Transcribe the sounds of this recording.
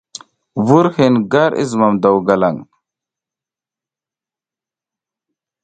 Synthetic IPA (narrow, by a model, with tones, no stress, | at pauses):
vu˦ɾhi˨nɡa˦ɾḭ˦zma˨md̪a˨wɡa˨la˨ŋ